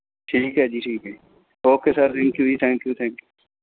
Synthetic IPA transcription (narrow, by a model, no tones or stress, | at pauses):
ʈʰiːkɦɛd͡ʒiːʈʰiːkɦɛ | oːkesaɾt̪ʰɛ̃ŋkjud͡ʒit̪ʰɛ̃ːŋkjut̪ʰɛ̃ŋkju